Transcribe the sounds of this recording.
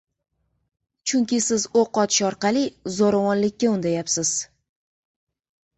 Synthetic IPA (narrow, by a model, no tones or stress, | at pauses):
t͡ʃʰʊŋkʲɪsɪzoqɒt̪ʰɪ̥ʃɒɾqɑlizoɾavɒnlɪkʲːaʊnd̪ajapsɪz̥